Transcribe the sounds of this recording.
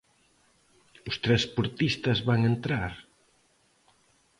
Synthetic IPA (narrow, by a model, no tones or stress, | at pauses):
ʊst̪ɾɛspuɾt̪ist̪ɐzβaŋent̪ɾaɾ